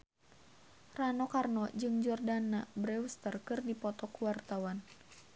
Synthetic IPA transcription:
ranɔkarnɔd͡ʒɨŋd͡ʒɔrdanːabɾɛust̪ərkɨrdipɔt̪ɔkuwart̪awan

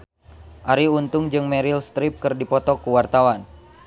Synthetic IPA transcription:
ʔaɾiunt̪ʊŋd͡ʒɨŋmɛɾilst̪ɾip̚kɨrdipɔt̪ɔkuwart̪awan

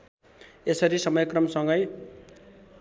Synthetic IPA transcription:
esʌɾisʌmʌjkrʌmsʌŋɡʌj

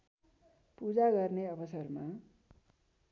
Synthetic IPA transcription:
pud͡zaɡʌrneʌbʌsʌrma

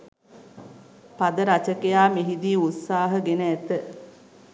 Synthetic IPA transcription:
pad̪əɾat͡ʃəkejaːmeɦid̪iːut̪saːɦəɡenəæt̪ə

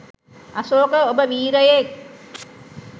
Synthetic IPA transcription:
ɐsoːkəobəʋiːɾɐjek

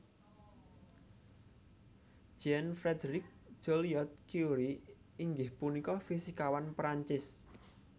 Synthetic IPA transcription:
d͡ʒ̥ɛnfɾɛd̪ɾɪk̚d͡ʒ̥oliɔt̪̚kjuɾi | iŋɡɪhpunikɔfisikawanpɾaɲt͡ʃɪs

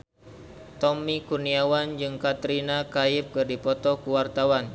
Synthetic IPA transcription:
t̪ɔmikurniawand͡ʒɨŋkat̪ɾinakaɪp̚kɨrdipɔt̪ɔkuwart̪awan

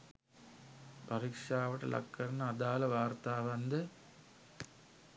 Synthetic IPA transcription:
pɐɾiːkʂaːʋɐʈːɨ̰lʔɐ̰kːɐɾnɐɐd̪aːlɐʋaːrt̪aːʋɐnd̪ɐ

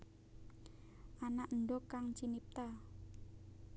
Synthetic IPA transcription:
ʔanaʔnɖɔkaŋt͡ʃinip̚t̪a

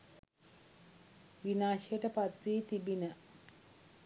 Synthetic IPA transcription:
ʋinaːʃejəʈəpat̪ʋiːt̪ibinə

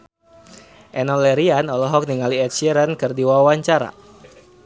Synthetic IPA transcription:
ʔɛnɔlɛɾianɔlɔɦɔk̚niŋaliɛt̪̚ʃiɛɾənkɨrdiwawawaɲt͡ʃaɾa̰

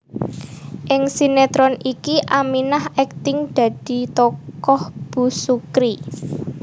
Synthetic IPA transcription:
ʔɪŋsinet̪ɾɔnikiʔaminahɛk̚t̪ɪŋd̪̥ä̤d̪̥i̤t̪ɔkɔhb̥ṳsukɾi

